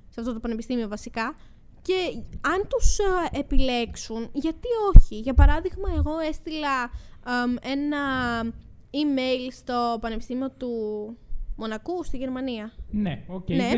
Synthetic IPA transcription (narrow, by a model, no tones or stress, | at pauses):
seɐft̪o̞t̪o̞pɐnepist̪imio̞vɐsikɐ | ce̞ɐnt̪use̞pile̞ksunʝɐt̪io̞çiʝɐpɐɾɐðiɣmɐe̞ɣo̞e̞st̪ilɐ | e̞nɐ | ime̞jlst̪o̞pɐnepi̥st̪imio̞t̪u | mo̞nɐkust̪iʝe̞ɾmɐniɐneoene